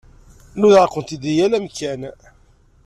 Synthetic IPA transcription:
nuðəɾqːənt̪id̪ijælæmkæn

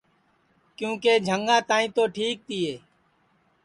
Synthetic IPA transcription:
kjũːkeːd͡ʒʱəŋɡãːt̪ãːĩːt̪oːʈʰiːk̚t̪iːɦeː

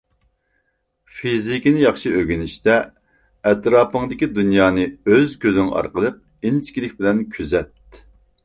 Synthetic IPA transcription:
fizikʲinɪjɑχʃiøɡʲinɪʃt̪ɛ | ɛt̪ɾɑːpəŋd̪ɪkʲid̪unjɑːnɨøzkʲøzɪŋʔɑ̰ɾqəlˠɨp̚ | int͡ʃkʲilɪk̚ʲbɪlɛnkʲʰyzɛt̪

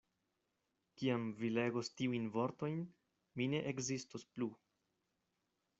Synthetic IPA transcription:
kiamvile̞ɡostiujnvo̞ɾto̞jn | mine̞ʔekzistosplu

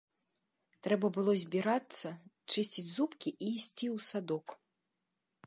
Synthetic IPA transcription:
t̪ɾɛbɐbɨlˠɔzʲbʲiɾat̪sːɐ | t͡ʂɨsʲt͡sʲid͡zʲzupkʲiʔiːsʲt͡sʲiwsad̪ɔk

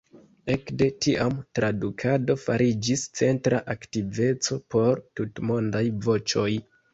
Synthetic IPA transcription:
e̞kde̞tiʔamtɾadukʰado̞faɾid͡ʒist͡se̞ntɾaʔaktive̞t͡so̞po̞ɾtutmo̞ndajvo̞t͡ʃo̞j

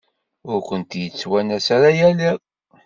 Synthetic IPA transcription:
ʊɾkʷənt̪jət͡sːwænæsaɾajæliʁ

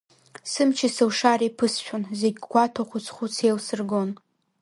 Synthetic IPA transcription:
sɨmt͡ʃʰisɨwʂaɾijpʰɨsʃᶣonzeɡʲɡʷatʰoχʷʊt͡sʰχʷut͡sʰelsɨrɡon

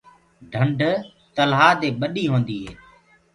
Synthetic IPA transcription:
ɖʱəɳɖ | t̪əlɦaːd̪eːɓəɗiːɦoːnd̪iːɦeː

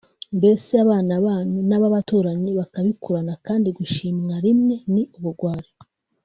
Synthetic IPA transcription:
mbe̞seaβaːnaβanunaβaβatuːɾaɲiβakaβikuɾanakaːndiɡuʃiːmŋaɾimŋe̞niuβuɾɡwaːɾi

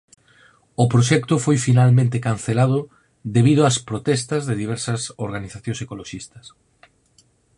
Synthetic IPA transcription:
ʊpɾoʃɛkt̪ʊfojfinalmẽnt̪ekanθelað̞ʊ | ðeβ̞iðʊaspɾot̪ɛst̪ɐzðeðiβ̞ɛɾsɐsoɾɣaniθaθjõŋsekoloʃist̪ɐs

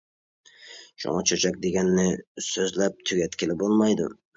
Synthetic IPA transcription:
ʃʊ̰ŋɑt͡ʃʰøt͡ʃʰɛk̚ʲd̪eɡʲænːɪsøzlæp̚t̪ʰyɡʲɛt̪kʲʰɪlɪbolˠmɑjd̪ʊ̰

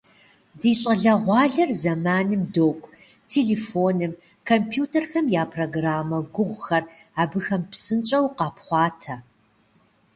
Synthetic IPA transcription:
diːɕʼɐɮɐʁʷɑːɮɐrzɐmaːnɨmdoːkʷʼ | tʰeːɮeːfoːnɨm | kʰompʰjuːtʰɐrxɐmjaːpʰroːɡraːmɐɡʷʊʁʷxɐr | aːbɨxɐmpsɨnt͡ʃʼɐwqɑːpχʷɑːtʰɐ

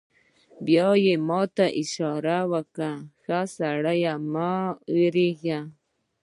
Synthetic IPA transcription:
bjojemot̪aʔiʃaɾawakaxasaɽajamaiɾixja

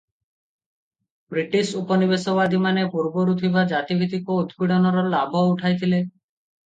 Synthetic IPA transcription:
bɾiʈisupɔnibesɔβad̪ʱimanepuɾbɔɾut̪ʰibad͡ʒat̪ibʱit̪ikoud̪biɽɔnɔɾɔlabʱɔuʈʰajt̪ʰile

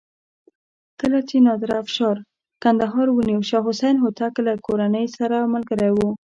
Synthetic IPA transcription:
kəlat͡ʃenɑd̪ɾaːfʃɑɾ | kand̪aɦɑɾwəniwʃaɦʊsajnɦʊt̪aklakoɾanəjsaɾamalɡəɾajwu

